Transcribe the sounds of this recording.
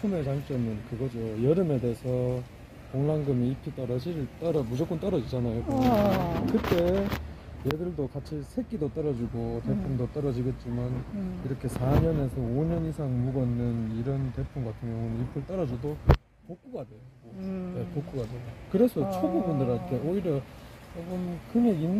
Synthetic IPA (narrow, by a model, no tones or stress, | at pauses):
pʰume̞t͡ɕaŋt͡ɕ͈ʌmɯnkɯɡʌd͡ʑojʌɾɯme̞de̞ːsʰʌ | koŋlaŋɡɯmiipʰit͈ʌɾʌd͡ʑiɾɯɭt͈ʌɾʌmud͡ʑʌk͈ont͈ʌɾʌd͡ʑid͡ʑanajokɯ | kɯt͈e̞ | jedɯɭdokat͡ɕʰisʰe̞k͈idot͈ʌɾʌd͡ʑiɡote̞pʰumdot͈ʌɾʌd͡ʑiɡe̞t̚t͡ɕ͈imaniɾʌkʰe̞sʰaɲʌne̞sʰʌoɲʌnisʰaŋmuɡʌnːɯniɾʌnte̞pʰumɡatʰɯŋjʌnipʰɯɭt͈aɾʌd͡ʑodo | pok͈uɡade̞joɡonepok͈uɡadwe̞jokɯɾe̞sʰʌt͡ɕʰʌbubundɯɾaɭtʰe̞oiɾjʌaɡomkɯmeinː